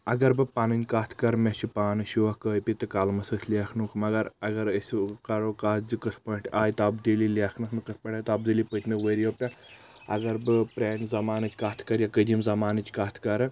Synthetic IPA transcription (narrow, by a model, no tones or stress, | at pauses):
ɐɡɐɾbɨpaːnɨnʲkaːt̪ʰkɐɾmʲet͡ʃipaːnɨʃuʋɐhkəːjpʲit̪ɨkaːlmɐsəsʲʰlʲaːkʰnukʰmɐɡɐɾɐɡɐɾəsʲukɐɾokaːt̪ʰzikɐspoiɳʈaːjt̪abd̪ililʲekʰnɐkʰmɐkɐspɐɳʈʲaːjt̪aːbd̪ilipət̪ʲmɐʋəɾjopʲa | ɐ̰ɡɐɾbɨpɾeːnzɐmaːnɨt͡ʃʲkaːt̪ʰkɐɾjakəd̪ʲimzɐmaːnɨt͡ʃʲkaːt̪ʰkɐɾɨ